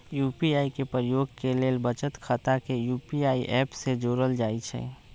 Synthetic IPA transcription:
jupiaikepɾəjoɡ̚kelelbət͡ʃət̪kʰət̪akejupiaiʔɛpsed͡ʒoɾəld͡ʒaːit͡ʃʰɛ̰

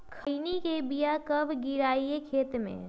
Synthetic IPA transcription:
kʰəinikebijakɐbʱɡɪɾaːiekʰeːt̪mḛ̃

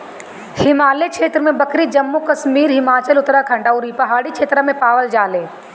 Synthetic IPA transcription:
hɪmaːlekʃeːt̪ɾəmẽbɐkɾid͡ʒɐmːukɐʃmiːɾɦɪmaːt͡ʃəlʊt̪ɾakʰɐ̃ɳɖaʊɾipɐɦaːɽikʃʰeːt̪ɾəmẽpaːʋəld͡ʒaːleː

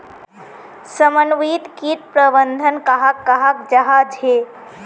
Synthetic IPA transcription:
səmənʋiːt̪kit̪̚pɾəbənd̪ʱənkaɦakːaɦakd͡ʒɐɦad͡ʒɦe

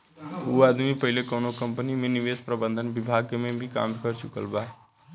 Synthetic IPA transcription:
uəd̪mipəɦɪlekoːnokə̃mpnimẽnɪʋeːspɾəbə̃nd̪ʱənbɪbʱaːɡkemẽbʱika̰ːmkəɾt͡ʃʊkə̰lba

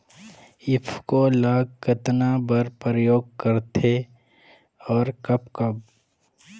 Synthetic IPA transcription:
ɪpʰkolaːɡ̚kət̪nabəɾpəɾəjoːɡ̚kəɾt̪ʰe | ɔːɾkɐbkɐb̚

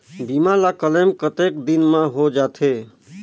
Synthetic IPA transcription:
bimalakələmkət̪eːkd̪inmãɦod͡ʒaːt̪ʰe

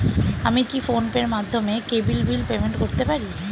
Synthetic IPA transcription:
amikifonpeɾmad̪ʱːomekebilbilpemeɳʈkoɾt̪epaɾi

